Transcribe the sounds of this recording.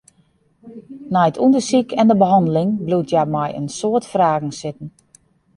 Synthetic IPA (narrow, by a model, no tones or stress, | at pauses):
najətʰundəsikʰɛndəbəɦɔndəlɪŋblutʰjamajə̰nsoətfraːɣŋ̩sɪtən̩